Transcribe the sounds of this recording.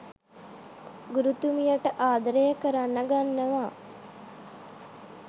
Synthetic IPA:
ɡuɾut̪umijəʈəʔaːd̪ɾejəkəɾanːəɡanːəʋaː

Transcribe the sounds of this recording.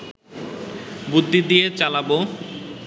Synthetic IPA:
bud̪ʱːid̪ijet͡ɕalabo

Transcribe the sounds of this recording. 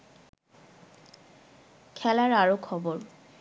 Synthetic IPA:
kʰɛlaɾaɹokʰɔboɾ

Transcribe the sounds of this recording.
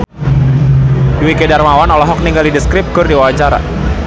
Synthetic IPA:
duwikedarmawanɔlɔɦɔk̚niŋɡalidəskɾɪp̚ɡ̥ʊrdiwawat͡ʃaɾa̰

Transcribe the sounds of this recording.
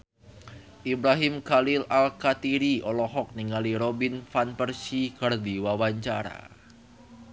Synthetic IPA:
ʔibɾaɦɪmkalɪlalkat̪iɾiɔlɔhɔk̚niŋaliɾobɪnfanpərsiɡ̥ərd̪iwawaɲt͡ʃa̰ɾa̰

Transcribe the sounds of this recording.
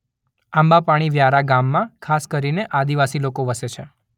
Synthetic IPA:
ambapaɽ̃iʋjaɾaɡamːãkʰaskəɾineʔad̪iʋasilokoʋəset͡ʃʰe

